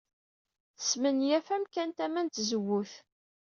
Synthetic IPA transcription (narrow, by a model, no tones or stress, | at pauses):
θə̥smənjæfæmkænt̪æmænt̪zəwːʊθ